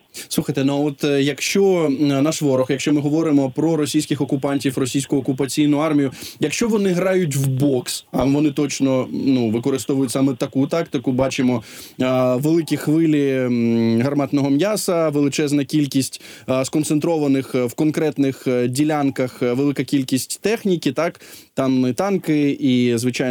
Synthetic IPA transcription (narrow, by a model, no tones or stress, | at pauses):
suxɐjt̪ɛnuɔt̪jɐkʃt͡ʃɔnɑʃʋɔɾɔxjɐkʃt͡ʃɔmɪɦɔʋɔɾɪmɔpɾɔɾɔsʲijsʲkʲɪxɔkʊpɑnʲtʲifrɔsʲijsʲkʊʊɔkʊpɐt͡sʲijnʊɑrmʲijʊjɐkʃt͡ʃɔʋɔnɪɦɾɑjʊtʲwbɔksɐʋɔnɪt̪ɔt͡ʃnɔnuʋɪkɔɾɪst̪ɔʋʊjʊtʲsɑmɛt̪ɐkut̪ɑkt̪ɪkʊbɑt͡ʃɪmɔ | ʋelˠɪkʲixʋɪlʲi | ɦɐrmɑt̪nɔɦɔmjasɐʋelˠɪt͡ʃɛznɐkʲilʲkʲisʲtʲskɔnt̪sent̪ɾɔʋɐnɪxwkɔnkɾɛt̪nɪxdʲilʲankɐxʋelˠɪkɐkʲilʲkʲisʲtʲt̪ɛxnʲikʲit̪ɑkt̪ɑmɪt̪ɑnkɪizʋɪt͡ʃɑj